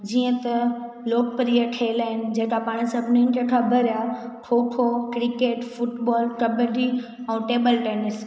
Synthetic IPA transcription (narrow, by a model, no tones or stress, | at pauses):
d͡ʑiːə̃t̪ɐ | loːkpəɾiːəʈʰɐɪlaːɦɪnɪ̆d͡ʑeɦkapaːɽ̃sɐbʱnɪ̃nʈəkʰabʱəɾaʈʰoːʈʰokɾɪkeːʈfʊʈbɔːlkɐbəɖi | ɛ̃ːʈeːbəlʈeːnɪs